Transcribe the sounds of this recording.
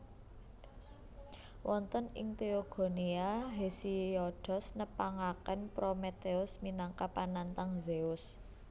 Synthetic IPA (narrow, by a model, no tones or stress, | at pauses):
wʔɔnt̪ɔnɪ̰ŋt̪eoɡ̥o̤niaɦesiɔɖ̥ɔ̤snəpaŋakənpɾomet̪eʊsminaŋkapanant̪aŋzeʊs